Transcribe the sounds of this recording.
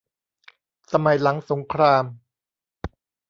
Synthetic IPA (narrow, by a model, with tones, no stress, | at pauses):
sa˧ma˨˩˦jla˩˦ŋso˩˦ŋkʰɾaː˧m